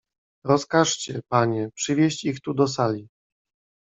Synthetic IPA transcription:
ɾɔskaʂt͡ɕɛpaɲɛpʂɘvʲjeɕt͡ɕixt̪ud̪ɔsalʲi

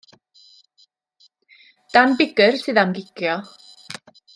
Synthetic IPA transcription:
d̥anbɪɡərsɨðamɡɪkʰjɔ

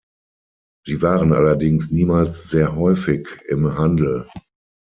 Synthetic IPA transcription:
z̥iːvaːʁənʔa̰lɐdɪŋsniːmaːlsz̥eːɐɦɔʏfɪkɪ̰mhandl̩

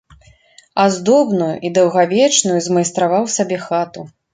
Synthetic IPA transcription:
azd̪ɔbnujṵʔid̪ɐwɣavʲɛt͡ʂnujuzmɐjst̪ɾavawsabʲɛxat̪u

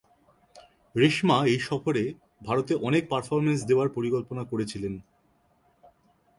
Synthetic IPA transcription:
ɾeʃmaejʃɔfʰoɾe | bʱaɾot̪eʔɔnek̚paɾfoɾmens̬d̪eoaɾpoɾikolponakoɾet͡ɕʰilen

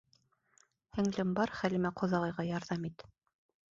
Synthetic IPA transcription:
hɘ̆ŋlɘmbɑɾχælɘ̆mæqʰŏðɑʁɤ̆jʁɑjɑɾðɑmit̪

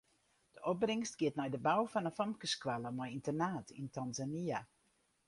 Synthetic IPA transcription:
d̥əʔɔb̚brɪŋstɡ̥iətnɛjdəbawfɔnənfɔmkəskwaləmɔjintənaːtʰḭntʰanzania

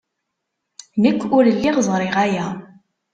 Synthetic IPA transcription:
nəkʷːʊɾəlːiʁzˤɾˤɪʁæjæ

